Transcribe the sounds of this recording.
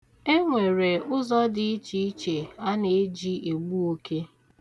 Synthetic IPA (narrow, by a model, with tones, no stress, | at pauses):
e˦ŋʷe˨ɾe˨ʊ˦zɔ˦dɪ˨i˦t͡ʃi˦i˦t͡ʃe˨a˦ne˨e˦d͡ʒi˦ʔe˨ɡ͡bu˦o˦ke˦